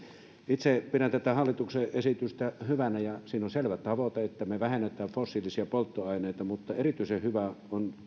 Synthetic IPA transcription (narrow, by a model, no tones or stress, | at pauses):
it̪sepirænt̪æt̪æhɑlːit̪ukseʔʔesit̪yst̪æhyʋænæjɑsiːnonselʋæt̪ɑʋot̪eet̪ːæmeʋæhenːet̪ˑæːʋfosːilisiɑpolt̪ːoɑˑineˑit̪ɑmut̪ːɑerit̪yisehhyʋæon